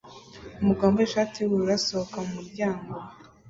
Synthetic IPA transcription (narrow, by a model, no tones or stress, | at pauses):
umuɡaːmboeʃaːtʰiwuɾuɾasohokamumuɾɟaːŋɡo